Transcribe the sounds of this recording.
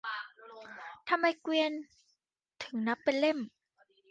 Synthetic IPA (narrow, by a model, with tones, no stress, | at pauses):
t̪ʰa˧mːa˧jkwi˧ən | t̪ʰɯ˩˦ŋna˦˥pːe˧nle˥˩m